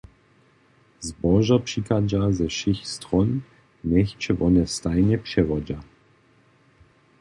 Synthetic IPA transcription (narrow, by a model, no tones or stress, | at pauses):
zbɔʒapʂikad͡ʒazɛʃɪxstʁɔn | nɛxt͡ʃɛvɔnɛstajnɛpʂɛvɔd͡ʒa